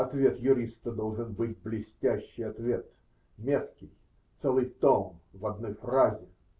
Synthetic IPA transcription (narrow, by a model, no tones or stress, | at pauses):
ɐt̪vʲe̞t̪jʊɾʲist̪əd̪o̞lˠʐɨnbɨtʲblʲɪsʲtʲæɕːɪjɐt̪vʲe̞t̪ | mʲet̪kʲɪj | t̪sɛlˠɨjt̪onvɐd̪nojfrazʲɪ